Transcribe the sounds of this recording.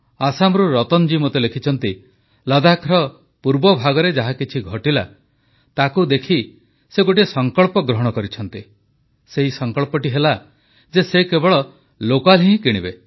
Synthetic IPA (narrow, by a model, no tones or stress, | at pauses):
asamɔɾuɾɔt̪ɔnd͡ʒimot̪elekʰit͡ʃʰɔnt̪i | lɔd̪akʰɾɔ | puɾbɔbʱaɡɔɾed͡ʒaɦakit͡ʃʰiɡʱɔʈila̰ | t̪akud̪ekʰi | seɡoʈiesɔŋkɔɭpɔɡɾɔɦɔɽ̃ɔkɔɾit͡ʃʰɔnt̪i | seɦisɔŋkɔɭpɔʈiɦela | d͡ʒesekebɔɭɔ | lokalɦĩɦkiɽ̃ibe